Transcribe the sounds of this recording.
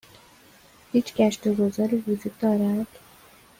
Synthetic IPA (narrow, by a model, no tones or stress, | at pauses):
hiːt͡ʃʰɡ̥æʃt̪oɡozɒːɾiːvud͡ʒuːd̪d̪ɒːɾæd̪̥